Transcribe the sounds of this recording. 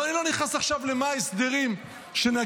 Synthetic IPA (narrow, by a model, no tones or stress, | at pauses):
anilo̞niχnasaχʃavlemaesd̪eʁim | ʃena